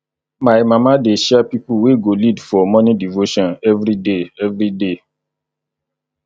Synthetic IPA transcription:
mãemãmãdeʃɛpipuweɡolidfɔmɔ̃nĩdivoʃɔ̃nɛvɾideɛvɾide

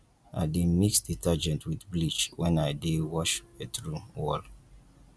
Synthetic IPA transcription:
ʔa̰ɪdemiksditad͡ʒɛ̃ntʰwidblit͡ʃwɛ̃naɪdewɔʃetɹuwɔl

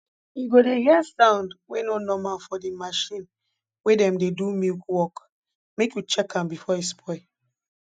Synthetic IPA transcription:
iɡodeɡɛasãʊ̃ndwenonɔmãfɔdimaʃĩn | wedɛ̃mdedumikwɔk | mekjut͡ʃɛkãmbifɔispʰɔɪ

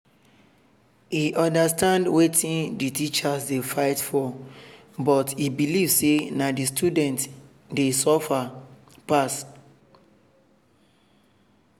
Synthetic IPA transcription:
iʔɔ̃ndastãndwetʰĩnditit͡ʃasdefaɪtfɔ | bɔtibilivsenadistudɛ̃nt | desɔfa | pas

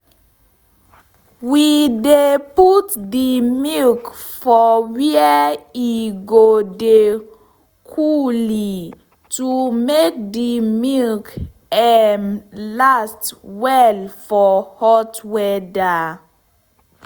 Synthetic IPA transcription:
wideputdimilkfɔwiəiɡode | kʰuli | tumek̚dimilk | ɛnlastwɛlfɔhɔtwɛda

